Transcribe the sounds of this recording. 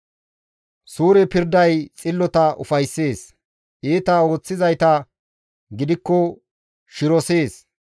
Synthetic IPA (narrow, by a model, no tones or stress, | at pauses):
suːɾɛpɪɾd̪ɐjt͡sʼɪlːɔt̪ɐʊ̰fɐjsːe̞ːs | ʔiːt̪ɐo̞ːt͡sːɪzɐjt̪ɐ | ɡɪd̪ɪkːɔ | ʃɪɾɔse̞ːs